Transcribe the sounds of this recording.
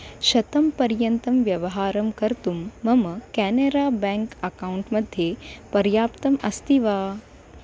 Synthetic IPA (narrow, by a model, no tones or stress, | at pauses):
ʃɐt̪ɐmpɐɾjɐnt̪ɐmʋjɐʋɐɦaːɾɐmkɐɾt̪umːɐmɐkæːneɾaːbɛːŋkɐkauɳʈmɐd̪ʱjepɐɾjaːpt̪ɐmɐst̪iʋaː